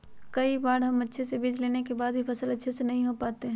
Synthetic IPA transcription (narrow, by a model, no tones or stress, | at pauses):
kɐibaːɽɦɐmɐtːʃʰesebid͡ʒleːnekebaːd̪bʱipɐsəlɐtːʃʰesenɐɦĩɦopaːt̪eɦɛ̃ː